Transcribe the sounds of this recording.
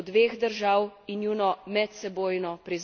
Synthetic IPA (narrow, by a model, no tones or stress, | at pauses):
d̪ʋeːɣd̪əɾʒawinjuːnɔmɛt̪sɛboːjnɔpɾiz